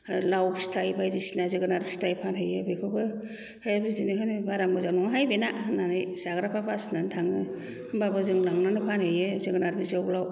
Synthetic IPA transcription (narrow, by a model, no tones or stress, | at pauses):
ɾlawstʰajbajzisinazɯɡɯnaɾbi̥stʰajpʰanɦɯjɯbekʰɯbɯ | hebizinɯɦɯnɯbaɾambɯzanɔŋɦajbenananɯjsaɡɾapʰapʰasnantʰaŋnɯ | babɯzɯŋlaŋnanɯpʰanhɯjɯzɯɡɯnaɾbizawblaw